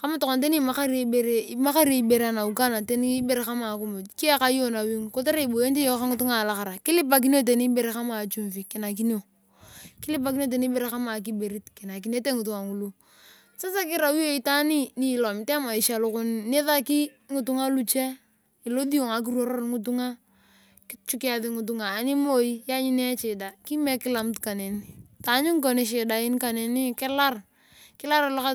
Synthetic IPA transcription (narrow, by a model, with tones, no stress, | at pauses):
ka˦ma˦tɔ˨kɔ˨nt̬e˦ni˦˨ma˦ka˦ɾe˦be˨ɾe˦ma˦ka˦ɾi˦e˨i˦be˨ɾe˦a˨na˨u˨ka˦na˨te˦n˦be˦˨ɾe˨ka˦ma˨˦kʊ˦mo˨ki˦a˦ka˦jo˦na˨wi˦ŋko˦te˦ɾe˦i˨bo˨je˦n˦ti˦jɔ˦ka˦ŋɪ˦tʊ˦ŋa˨la˨ka˨ɾa˨kɪ˦lɪ˦p̬a˨k̬i˦n˦o˦t̬e˨ni˦be˨ɾe˨ka˦ma˨t͡ʃu˦ɱfi˨kɪ˨na˨k̬i˦ni˦o˨ | kɪ˦lɪ˦p̬a˨ki˦njo˦t̬e˨ni˦be˨ɾe˨ka˦ma˨k̬i˦be˨ɾi˦tkɪ˨na˨ki˨ne˦te˦ŋɪ˨tu˨ŋa˨ŋu˨lu˦ | sa˦sa˦kɪ˦ɾa˨wi˦o˦i˦ta˦ni˦ni˨lɔ˨m˨tɛ˦ma˨i˨ʃa˨lʊ˨kʊ˦nne˦ða˦ki˦ | ŋʊ˨tʊ˦ŋa˦lu˦t͡ʃe˦ | ɪ˨lo˦di˦o˨ŋa˨k̬i˦ɾwo˦ɾo˦ɾŋʊ˦tu˦ŋa˦ | kɪ˦t͡ʃu˦kɪ˦a˨ðɪ˦ŋʊ˨t̬ʊ˦ŋaː˨nɪ˦mo˦i˦ja˦ɲi˦nɛ˦t͡ʃɪ˨da˨ki˦mɛ˦kɪ˦la˨m˦tka˨ne˨ni˨˦ta˨˦ɲʊ˦ŋ˦k̬o˨nɪ˨˦ʃ̬e˨da˨ɪ˦nka˨ne˨ni˦kɪ˦la˦r | kɪ˦la˦ɾa˨lʊ˦ka˦